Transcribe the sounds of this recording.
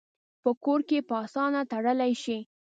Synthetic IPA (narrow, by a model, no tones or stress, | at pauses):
pəkoɾkepəɑsɑnat̪aɽəlajʃi